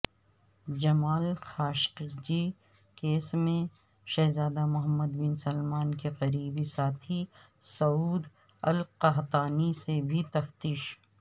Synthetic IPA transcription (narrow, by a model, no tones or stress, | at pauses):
d͡ʒɐmaːlxaːʃqɪɾd͡ʒi | keːsmẽ | ʃɐɦzaːd̪amʊɦəmːəd̪bɪnsɐlmaːnkeqɐɾiːbisaːt̪ʰi | sɐuːd̪ | ɐlqɐɦt̪aːnisebʱit̪ɐft̪iːʃ